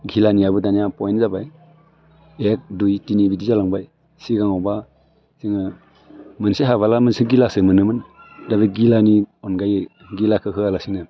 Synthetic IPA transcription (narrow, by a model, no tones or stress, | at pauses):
ɡilanijabɯdanijapɔjnzabaj | ek̚dujtinibidizalaŋbaj | siɡaŋɔba | ziŋɯ | mɯnseɦaβalamɯnsɯɡilasɯmɯnɯmɯndabiɡilaniɔnɡaj | ɡilakʰɯɦʰɯalasinɯ